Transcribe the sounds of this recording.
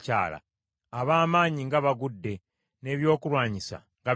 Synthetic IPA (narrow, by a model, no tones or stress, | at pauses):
ca̰ːla̰ | aβaːmaːɲiŋɡaβaɡudːe̞ | ne̞ːβjo̞ːkulwaːɲisa̰ | ŋɡa